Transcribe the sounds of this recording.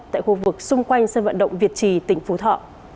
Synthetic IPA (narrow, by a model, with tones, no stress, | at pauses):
t̪a̰ː˧˨jxu˧vɨ˨˩k̚sʊ˧ŋ͡mkwa˧jŋ̟səː˧nvə̰˧˨nɗə̰˧˨wŋ͡mvi˨˩ət̚t͡ɕi˨˩t̪ï˨˩ŋ̟fu˨˦t̪ʰɔ̰˧˨